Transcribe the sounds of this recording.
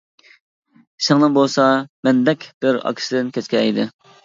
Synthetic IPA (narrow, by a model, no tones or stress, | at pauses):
ʃɪŋnɨnbolˠsɑmɛnd̪ɛkʲb̥ɪɾɑ̰kʲʰi̥sɪd̪ɪnkʲʰɛt͡ʃkʲɛjd̪ɪ